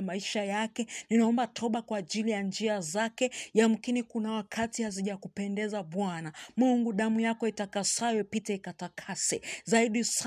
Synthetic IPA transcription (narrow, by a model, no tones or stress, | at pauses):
maiʃajakɛninaɔmbatʰɔɓakwaːʄilijand͡ʒiazakɛjamukinikunawakʰatihaziʄakupɛndɛzaɓwanamuŋɡuɗamujakɔitakasawɛpitɛikatakʰasɛzaiɗis